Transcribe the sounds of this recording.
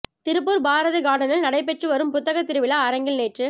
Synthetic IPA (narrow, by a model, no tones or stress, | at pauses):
t̪ɪɾɯp̬ːɯɾbaːɾɐðɯɡaːɽɐnɐlnɐɽɐɪp̬ɛʈrɯʋɐɾɯmpʊt̪ːɐɣɐt̪ːɪɾɯʋɪlɐɐɾɐŋɡɪlneːʈrɯ